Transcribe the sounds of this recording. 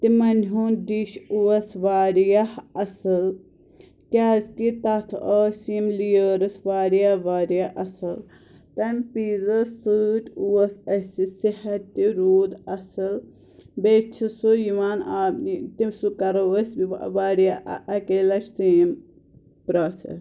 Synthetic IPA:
t̪imɐnʲɦuːnd̪iʃuʋɐsʋaːɾijahɐsɨl | kʲaːskit̪ɐt̪ʰoːsiːmlijəːɾɨsʋaːɾijaʋaːɾjaʔɐsɨl | t̪ɐmʲpiːzɐːɨʈʲuʋɐsɐsisihɐt̪ʲːiɾuːd̪ɐsɨl | bet͡ʃʰisujiʋaːnaːbnit̪imsukɐɾɐʋɐsʋaːɾja̰ʔɐkeːlɐʃʰseːm | pɾaːsɐ̰s

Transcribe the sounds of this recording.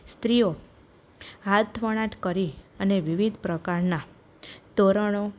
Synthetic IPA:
st̪ɾijo | ɦat̪ʰʋəɽ̃ãʈkəɾiəneʋiʋid̪ʱpɾəkaɾna | t̪oɾəɽ̃o

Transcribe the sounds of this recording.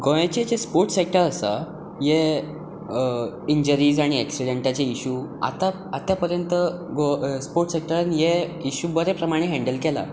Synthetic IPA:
ɡojet͡ɕet͡ɕespoɾʈsek̚ʈəɾəsa | je | iɲd͡ʑəɾiːd͡zaɽ̃iɛksiɖeɳʈat͡ɕeiɕuːa̰t̪a | at̪japəɾjənt̪əɡospoɾʈsek̚ʈəɾanjeiɕubəɾepɾəmaɽ̃eɦɛ̃ɳɖəlkela̰

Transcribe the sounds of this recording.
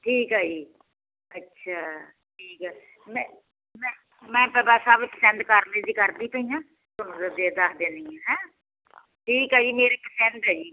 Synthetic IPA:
ʈʰiːkɦaːd͡ʒiː | ətːʃʰaː | ʈʰiːkɛː | mɛ̃ː | mɛ̃ː | mɛ̃ːpɛːbaːsaːbpəsɛ̃nd̪kəɾneːd͡ʒiːkəɾd̪iːp̪əĩjãː | tʊnd̪d̪ed̪aːkd̪eːnd̪iãːɦɛ̃ː | ʈʰiːkɦaːd͡ʒiːmeːɾeːkəsɛ̃nd̪ɦɛːd͡ʒiː

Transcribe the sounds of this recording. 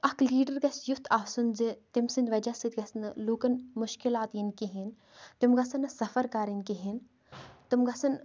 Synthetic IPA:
ɐkliːɖɐɾɡɐsjut̪ʰaːsunzit̪imsɨnd̪ʋɐd͡ʒɐsit̪ɡɐsnɨluːkɐnmuʃkilaːt̪jinkiɦin | t̪imɡɐsɐnɐsɐfɐɾkaːɾinkiɦin | t̪ɪmɡɐsɐn

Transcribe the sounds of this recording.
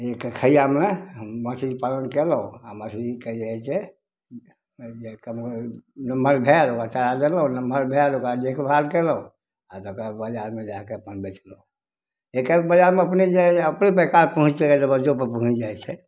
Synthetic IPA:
ekəkʰəijameməsid͡ʒpalənkeləuaməsid͡ʒkəd͡ʒajt͡ʃʰɛ | ekəmknəməɾbʱelokat͡ʃaɾad̪eləunəməɾbʱelokad̪ekʰbʱalkeləũ | at̪okabəd͡ʒaɾmed͡ʒakeəpənbɛt͡ʃʰləu | ekəbəd͡ʒaɾmeəpned͡ʒeəpnipəkalpəɦũt͡ʃeked͡ʒebəd͡ʒopəɾpəɦũt͡ʃd͡ʒajt͡ʃʰɛ

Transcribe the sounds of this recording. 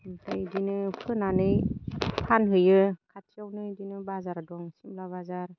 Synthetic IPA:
nkʰɯjdinɯpʰɯnanɯjpʰanɦɯjɯkʰatʰiawnɯdinɯbazaɾadɔŋsimlabazaɾ

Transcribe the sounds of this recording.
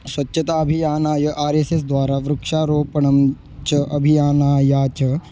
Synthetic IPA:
swɐtːʃʰɐt̪aːɐbʱijaːnaːjɐʔaːɾeːsesd̪ʋaːɾaːʋɾʊkʃaːɾoːpɐɳ̃ɐm | t͡ʃɐʔɐbʱijaːnaːjaːt͡ʃɐ

